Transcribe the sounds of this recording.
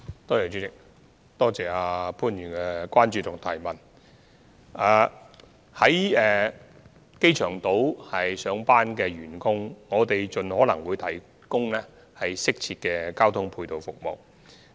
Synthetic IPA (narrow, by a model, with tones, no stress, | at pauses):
t̪ɔː˥˩jɛ˨˩t͡ʃyː˨˥t͡sɪ˨k̚ | t̪ɔː˥t͡sɛː˨aː˧pʰuː˥njyː˨˩nkɛ˧kʷaː˥nt͡ʃyː˧t̪ʊ˨˩ŋ̚t̪ʰaː˨˩jmɐ˨˩n | ʔaː˨˧ | hɐ˨˥jɛː˨ | ke˥jt͡ʃʰœː˨˩ŋt̪o˨˥whɐ˨jsœː˨˧ŋpaː˥nkɛː˧ɥyː˨˩nkʊ˥ŋŋɔː˨˧t̪e˨jt͡sɵ˨nhɔː˨˥lɐ˨˩ŋwuː˨˧jt̪ʰɐ˨˩j | kʊ˥ŋlɛː˥ | hɐ˨jsɪ˥k̚t͡sʰiː˧t̚kɛː˧kaː˥wt̪ʰʊ˥ŋpʰuː˧jt̪o˨wfʊ˨k̚mo̰˨w